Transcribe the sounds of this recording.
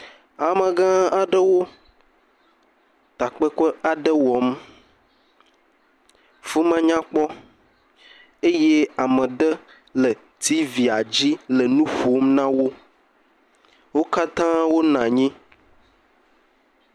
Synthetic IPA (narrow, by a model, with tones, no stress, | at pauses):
a˨mə̃˨ɡã˦a˨ɖə˦wo˦ | t̪a˨k͡pə˦kɔ˦a˨ɖə˦wɔ˨˦m | fu˦mã˦ɲã˦k͡pɔ˦ | e˦je˦a˨mə̃˨ɖə˦ | lə˨ | t̪i˦vi˨a˨d͡ʑi˦lə˨nũ˦ɸo˨˦mnã˦wo˦ | wo˦ka˦t̪ã˦wo˦nã˨ɲĩ˦